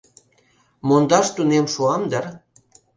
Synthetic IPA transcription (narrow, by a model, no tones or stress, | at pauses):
mond̪ɑʃt̪unemʃuɑmd̪ər